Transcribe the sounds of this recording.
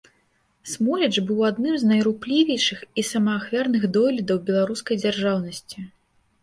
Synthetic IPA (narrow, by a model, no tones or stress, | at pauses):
smɔlʲɛt͡ʂbɨwad̪nɨmznɐjɾuplʲivʲɛjʂɨxisɐmɐːxvʲarnɨɣd̪ɔlʲid̪ɐwbʲɛlˠaɾuskɐjd͡zʲarʐawnɐsʲt͡sʲi